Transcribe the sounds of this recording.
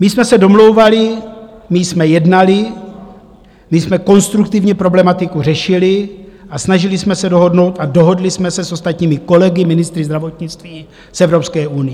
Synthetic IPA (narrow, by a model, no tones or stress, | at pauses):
mɪsmɛsɛdo̞mlo̞wvalɪmɪsmɛjɛdnalɪ | mɪsmɛko̞nst̪ɾukt̪ɪvɲɛpɾo̞blɛmat̪ɪkurɛʃɪlɪʔasnaʒɪlɪsmɛsɛdo̞ɦo̞dno̞wt̪ado̞ɦo̞dlɪsmɛsɛsʔo̞st̪at̪ɲiːmɪko̞lɛɡɪmɪnɪst̪ɾɪzd̪ɾavot̪ɲɪt͡st̪viː | sʔɛvɾo̞pskɛːʔunɪjɛ